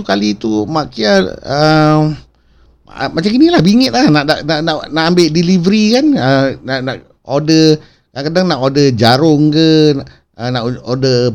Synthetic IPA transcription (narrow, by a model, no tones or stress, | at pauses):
ukalit̪umaʔkiaə | mat͡ʃaŋinilahbiŋət̪̚lahnaʔdaʔnaʔnaʔnaʔambɪʔdilivəɾikanənaʔnaʔ | odə | kakadaŋnaʔodəd͡ʒaɾʊŋkə | ənaʔodə